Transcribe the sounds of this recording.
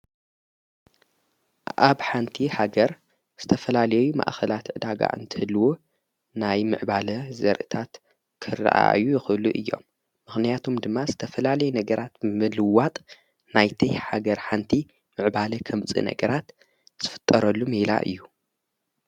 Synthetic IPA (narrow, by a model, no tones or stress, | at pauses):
ʔaβħant̪ʰihaɡɐɾ | z̥ɨt̪ʰɐfɐlalɐjɛjuma̰ʔxɐlat̪ʕɨd̪aɡa̰ʔɨ̰nt̪ʰɨhɨlːwo | najmɨ̰ʕbalɐzɐɾʔɨt̪ʰat̪ | kʰɨr̰ːʔa̰jujɪxɨluʔɨ̰jːo̞̰mː | ɨxnijat̪ʰumd̪ɨmːazɨt̪ʰɐfɐlalɐjɛnɐɡɐɾʔat̪mɨlɨwat̪ʼ | najt̪ʰɐjħaɡɐɾħant̪ʰi | mɨʕbalɐkʰɐmt͡sʼḭnɐ̰ɡɐɾat̪ | z̥ɨfɨ̥t̪ʼːɐɾɐlːumila̰ʔɨ̰jːu